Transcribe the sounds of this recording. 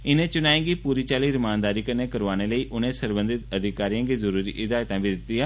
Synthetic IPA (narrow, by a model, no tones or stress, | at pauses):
ɪnẽːt͡ʃʊnaːẽːɡiːpuːɾiːt͡ʃaːliːɾɪmaːnd̪aːɾiːkəɾneːkəɾʋaːneːləiːʔʊnẽːsəɾbə̃nd̪ɪt̪əd̪ʱɪkaːɾijãːɡiːzəɾuːɾḭːʔɪd̪aːjt̪ãːbiːd̪ɪt̪ːiːãː